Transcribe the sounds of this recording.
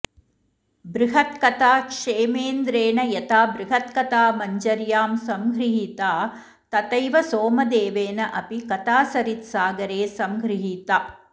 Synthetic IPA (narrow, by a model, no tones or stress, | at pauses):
bɾɪɦɐt̪kɐt̪aːkʂeːmeːnd̪ɾeːɳɐjɐt̪aːbɾɪɦɐt̪kɐt̪aːmɐɲd͡ʒɐɾjaːmsɐmɡʱɾiɦiːt̪aː | t̪ɐt̪ɐjʋɐsoːmɐd̪eːʋeːnɐʔɐpikɐt̪aːsɐɾit̪saːɡɐɾeːsɐmɡɾiɦiːt̪aː